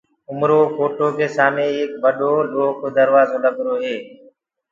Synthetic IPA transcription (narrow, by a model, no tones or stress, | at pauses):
ʊmɾoːkoːʈoːkeːsaːmẽːeːk̚bəɗoːloːɦkoːd̪əɾʋaːzoːləɡɾoːɦeː